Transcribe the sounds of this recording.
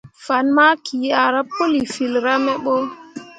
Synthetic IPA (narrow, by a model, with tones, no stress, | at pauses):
fa˨nma˦kʰi˨a˨ɾa˦pːo˦li˨fi˨lɾa˦mɛ˦ɓɔ˦